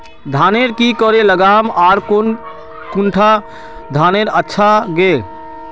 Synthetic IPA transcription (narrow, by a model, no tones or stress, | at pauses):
d̪ʱaːneɾkikəɾeləɡaːmaːɾkon | kuɳʈʰa | d̪ʱaːneɾətːʃʰaɡe